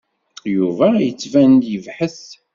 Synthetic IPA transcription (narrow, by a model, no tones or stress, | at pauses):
juvæjət͡sːvænd̪jəvħəθ